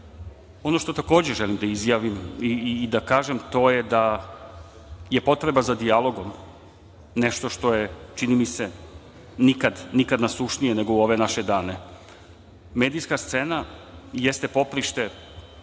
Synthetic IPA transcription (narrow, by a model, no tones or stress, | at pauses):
o̞no̞ʃt̪o̞t̪ako̞ːd͡ʑe̞ʒelimd̪aizjaːʋimiːd̪akaːʒemt̪o̞jed̪a | jepo̞t̪ɾe̞bazad̪ialˠo̞ɡom | neʃt̪o̞ʃt̪o̞jet͡ʃinimise | nikad̪nikad̪nasuʃnijeneɡouo̞ʋe̞naʃed̪aːne̞ | meːd̪ijskast̪senajest̪e̞po̞pɾiʃt̪e̞